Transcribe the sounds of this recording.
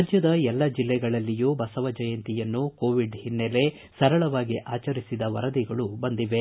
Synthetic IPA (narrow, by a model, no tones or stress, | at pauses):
d͡ʒjɐd̪ɐɛlːɐd͡ʒilːɛɡɐɭɐlːijubɐsɐʋɐd͡ʒɐjɐnt̪ijɐnːuko̞ːʋiɖhinːele̞ | sɐɾɐɭɐʋaːɡiʔaːt͡ʃɐɾisid̪ɐʋɐ̰ɾɐd̪iɡɐɭubɐnd̪iʋe̞